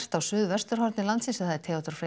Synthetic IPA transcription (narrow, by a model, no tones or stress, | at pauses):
r̥t̪awsʏːðvɛst̪ʏɾ̥hɔɾt̪nɪlant̪sinsaθaðɛɾt̪ʰɛːɔt̪ʏɾ̥fɾe